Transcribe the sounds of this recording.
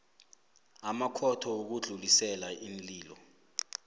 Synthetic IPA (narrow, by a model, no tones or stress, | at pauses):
amakʰɔtʰɔok̬uɮʱulisɛlainliːlɔ